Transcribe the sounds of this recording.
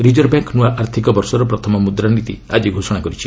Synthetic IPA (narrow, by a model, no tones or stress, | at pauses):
ɾid͡ʒɔɾbjaŋknuaʔaɾt̪ʰikɔbɔɾsɔɾɔpɾɔt̪ʰɔmɔmud̪ɾanit̪ḭad͡ʒiɡʱosɔɽ̃akɔɾit͡ʃʰi̥